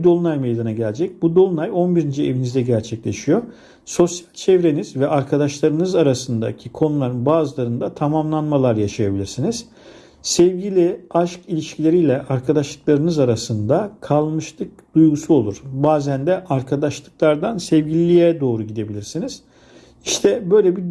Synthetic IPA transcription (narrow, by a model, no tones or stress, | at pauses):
id̪olˠunajmejd̪anaɟælʲd͡ʒɛc̚bud̪o̞lˠunajo̞nbiɾind͡ʒievinizd̪ɛɟæɾt͡ʃʰɛclʲeʃijo̞ | so̞sjalʲt͡ʃʰɛvɾe̞nizvɛʔaɾkʰad̪aʃlˠaɾɯnɯzaɾasɯnd̪a̰cʰikʰo̞nulˠaɾɯnbaːzɯlˠaɾɯnd̪at̪ʰamamlˠanmalˠaɾjaʃajabilʲiɾsiniz̥ | sɛvɟilʲiaʃkilʲiʃcʰilʲe̞ɾijlʲɛʔaɾkʰad̪aʃlˠɯklˠaɾɯnɯzaɾasɯnd̪akʰalˠmɯʃlˠɯk̚d̪̥ujɡusuolˠuɾ̥baːzænd̪ɛʔaɾkʰad̪aʃlˠɯk̚lˠaɾd̪ansɛvɟilʲijɛd̪o̞ːɾuɟid̪e̞bilʲiɾsiniz̥ | iʃt̪ʰɛbø̞jlʲɛbi